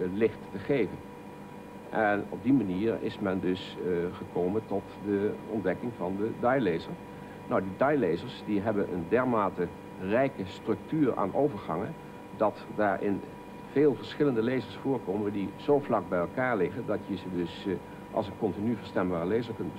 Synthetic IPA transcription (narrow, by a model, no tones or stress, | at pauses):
lɪχtːəχejvən | ʔɛnɔb̚dimaniːɹɪ̰smɛndɵsχəkowməntɔtdəɔntdɛkɪŋvɑndədɑjlejzəɹ | nɔwdidɑjlejzəɹsdiɦɛbənʔə̰ndɛɹmaːtə | rɛjkəstrɵk̚tyːɹa̰ːnʔowvəɹχɑŋə̰n | dɑtdaːɹʔɪ̰n | v̥eːlˠvəɹsχɪləndəlejzəɹsfʊːɹkoːməndiz̥owvlɑɡ̚bɛjɛlˠkaːɹlɪχəndɑtjəzədɵs | ʔɑ̰lˠsənkɔntinyvəɹstɛmbaːrəlejzəɹkɵndbə